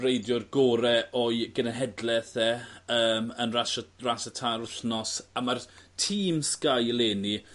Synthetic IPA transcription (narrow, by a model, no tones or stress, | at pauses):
rejdjɔrɡoːɾɛɔɨɡənənɦɛdlɛθɛəːmənraʃrasətʰaɾʊɬnɔsamartʰiːmskajlˠeːni